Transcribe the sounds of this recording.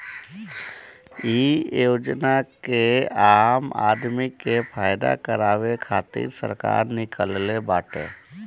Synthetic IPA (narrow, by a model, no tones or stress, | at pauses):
iːjoːd͡ʒnakeaːma̰ːd̪mikːepʰaːɪd̪a̰kəɾaːʋekʰaːt̪ḭːɾsə̰ɾka̰ːɾnɪkəllebaːʈḛː